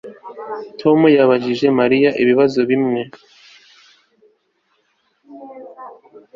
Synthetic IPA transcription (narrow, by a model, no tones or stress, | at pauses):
tʰo̞mujaβaʒiʒe̞maɾijaʔiβiβazo̞βimŋe̞